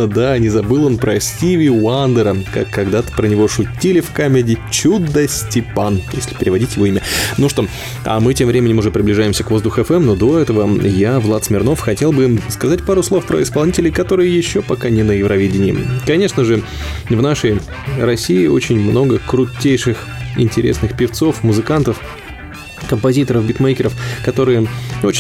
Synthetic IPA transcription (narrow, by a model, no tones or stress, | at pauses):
əd̪anʲɪzɐbɨlˠo̞npɾəsʲtʲivʲɪand̪əɾəka̰kːɐɡd̪at̪ə̥pɾənʲɪvo̞ʂʊtʲːilʲɪfkamʲɪdʲɪt͡ɕud̪ːəsʲtʲɪpanjesʲlʲɪ̥pʲɪɾʲɪvɐdʲitʲjɪvo̞imʲənuʂt̪o̞ | a̰mɨtʲemvɾʲemʲɪnʲɪmʊʐɛpɾʲɪblʲɪʐajɪmsʲəkvo̞zd̪ʊxʊɛfɛmno̞d̪o̞ɛt̪əvəjavlˠat̪smʲɪrno̞fxɐtʲelˠbɨskɐzat̚ʲpaɾʊslˠo̞fpɾə̰ɪspɐlˠnʲitʲɪlʲɪkɐt̪o̞ɾɨjəjɪɕːo̞pɐkanʲɪnəjɪvɾɐvʲidʲɪnʲɪːɪkɐnʲe̞ʂnəʐɨ | vnaʂəj | rɐsʲiɪo̞̰t͡ɕɪnʲmno̞ɡəkɾʊtʲːejʂɨx | ɪ̰nʲtʲɪɾʲesnɨxpʲɪft̪so̞fmʊzɨkant̪əf | kəmpɐzʲit̪əɾəfbʲɪt̪mejkʲɪɾəfkɐt̪o̞ɾɨjəo